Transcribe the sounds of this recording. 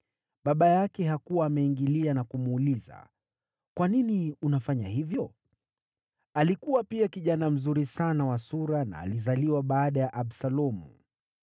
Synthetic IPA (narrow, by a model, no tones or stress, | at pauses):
ɓaɓajakɛɦakuwaːmɛiŋɡilianakumuːliza̰ | kwaniniunafaɲahivjɔ | alikuwapiakiʄanam̩zuɾisanawasuɾana̰ːlizaliwaɓaːɗajaʔaɓsalɔmṵ